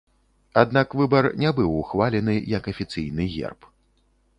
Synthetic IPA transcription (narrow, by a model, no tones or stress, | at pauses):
ad̪nakvɨbɐrnʲɛbɨwuxvalʲɛnɨjɐkɐfʲit̪sɨjnɨɣʲɛ̰rp